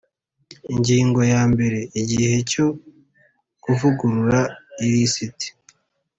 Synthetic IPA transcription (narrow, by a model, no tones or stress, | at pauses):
iɲɟiːŋɡo̞jaːmbe̞ɾe̞iɟihe̞co̞ | ɡ̥uvuɡuɾuɾaiɾisiti̥